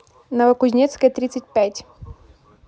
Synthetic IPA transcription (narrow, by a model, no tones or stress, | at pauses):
nɐvɐkʊzʲnʲɛt̪skəjɛt̪ɾʲit̪sət̚ʲpʲætʲ